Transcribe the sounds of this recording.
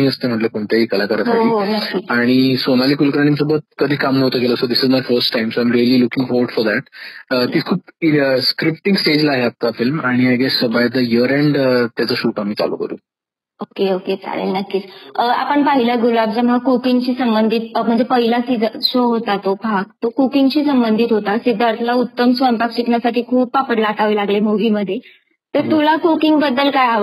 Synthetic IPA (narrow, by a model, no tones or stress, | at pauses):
iːəst̪em̤əʈləkoɳt̪eɦiːkəlakəɾəsaeɦonəkːiːaɽ̃isonaliːkulkəɾaɽ̃ĩŋsobət̪̚kəd̪ʱiːkamnət̪əːkeləsod̪isizmafəɾsʈːajmsoãjmɾiəliːlukĩŋfɔɖfɔɾd̪æʈ̚ət̪iːt͡skʰuːpskɾip̚ʈĩŋɡsʈed͡ʑlaɦeat̪afilmaɽ̃iajɡɛsbajd̪əjiəɾɛ̃ɳɖt̪jat͡səːɕuːʈamiːt͡sa̰lo̰kə̰ɾṵː | okeoket͡sa̰lḛlnəkːiːt͡səa̰pəɳpaɦiləɡulab̚d͡ʑamɦakukiŋɡt͡ɕiːsəmbənd̪ʱiːt̪̚m̤əɳd͡zepəɦilasid͡zɕoɦot̪at̪obʱak̚t̪okukiŋɡt͡ɕiːsəmbənd̪ʱiːt̪ɦot̪asid̪ʱːaɾt̪ʰlaut̪ːəmsʋənpak̚t͡ɕiknasaʈʰiːkʰuːpapəɽlaʈʰaʋiːlaɡlemoʋiːməd̪ʱːje | t̪əɾt̪ulakukiŋɡbəd̪ːəlkajaʋə